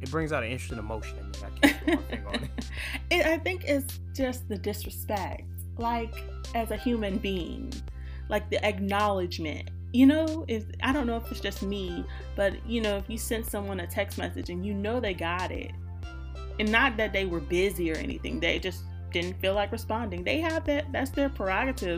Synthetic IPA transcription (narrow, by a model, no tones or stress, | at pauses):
ɨt̚b̥ɹɪ̃ŋzaʊɾɨ̃nɪ̃nt͡ʃɹ̥ɨstɪ̃ŋəmoʊʃñna̰kʰ | ɪɾaɪθɪ̃ŋkɪts | d̥ʒ̥ʌst̚ðɨdɪsɹɨspɛk̚t̚ | laɪk | ɨzɨhjʉmɨ̃nbiɪ̰̃ŋ | lʔaɪk̚ðiʔɨk̚nɑlˠɨd͡ʒmɨ̰̃nt̚ | jɨnoʊɪfʔaɪɾõʊ̃nːoʊəfɨtsd̥ʒ̥ʌst̚mi | b̥ʌtjɨnoʊɨfjɨ̥sɛ̃nd̥sʌ̃mwʌ̃nɨtʰɛkstmɛ̰sɨd͡ʒɨ̃njɨnoʊðeɪɡɑɾɪ̰t̚ | ɨ̃nːət̪̚ðɨt̪̚ðeɪwə˞bɪziə˞ɛ̰nḭθɪ̰̃ŋðeɪd͡ʒʌs | d̥ɪdⁿn̩tfilaɪkɹɨspɑ̃ndɪ̃ŋðeɪɨvðɨt̚ðætsðə˞pʰɹ̥ə˞ɑɡɨɾɪv